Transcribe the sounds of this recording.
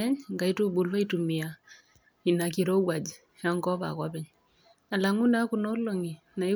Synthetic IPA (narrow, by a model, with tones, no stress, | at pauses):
ɛ˦ɲŋɡa˨i˦tu˦bu˨lwa˦itumi˨a | i˨na˨kiɾɔ˦wa˨d͡ʒ | jaŋɡɔ˦pa̰˨kwapɛɲ | a˨laŋu˦na˦kunɔ˦loŋi˨ | na˨i˦